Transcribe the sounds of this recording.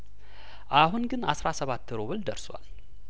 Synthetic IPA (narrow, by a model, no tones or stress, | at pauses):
ʔaɦunɡɨnasɾasəβat̪ʰːɨɾoβɨld̪ə̰ɾswa̰l